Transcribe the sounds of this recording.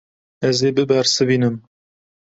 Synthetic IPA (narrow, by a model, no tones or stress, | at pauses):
ɛzeːbɨbɛɾsɨbiːnɨm